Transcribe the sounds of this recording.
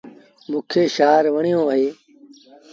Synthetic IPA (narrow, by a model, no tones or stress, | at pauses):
mʊkʰeːʃaːɾʋəɳijõːʋəɦeː